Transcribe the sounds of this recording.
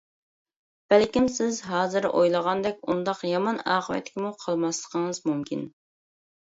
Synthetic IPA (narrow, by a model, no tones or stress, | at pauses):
b̥ælkʲimsɪzɦɑːzɨɾʔojlˠəʁɑnd̪ɛkʲund̪ɑqjɑmɑnɑːqəʋɛ̰t̪ʰːɪ̥kʲʰimuqʰəlˠmɑslˠəqʰəŋɨzmumkʲʰin